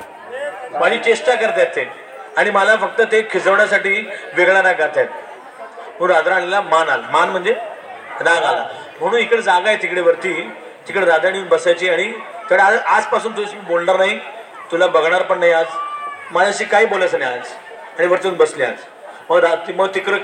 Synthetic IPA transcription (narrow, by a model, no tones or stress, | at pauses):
mad͡ʑiːt͡ɕeʂʈakəɾt̪eat̪e | aɽ̃iməlafək̚t̪ət̪ekʰid͡zəʋɳjasaʈiːʋeɡɭanakəɾt̪at̪̚ | məɡɾad̪ɾaɽ̃ilamanalamanm̤əɳd͡zeɾaɡala̰ | m̤əɽ̃ũːnikɽed͡zaɡaet̪ikɽeʋəɾt̪iː | t̪ikɽeɾad̪aɽ̃iunbəsajt͡ɕiːaɽ̃it̪əɽeaʔad͡zpasuːnt̪uət͡sbolnaɾnaɦi | t̪ulabəɡɳ̃aɾpəɳnaɦiad͡zmad͡ʑaɕiːkaɦiːbolat͡saniad͡z | aɽ̃iʋəɾt̪iuːnbəslia̰d͡z | məɡɾat̪məɡt̪ikɾə